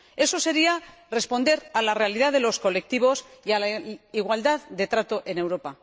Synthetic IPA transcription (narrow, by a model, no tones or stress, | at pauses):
e̞so̞se̞ɾia | re̞spo̞nd̪e̞ɾalare̞alið̞aðe̞lo̞sko̞le̞k̚t̪iβo̞sialaiɣ̞wald̪aðd̪e̞t̪ɾat̪oʔe̞ne̞wɾo̞pa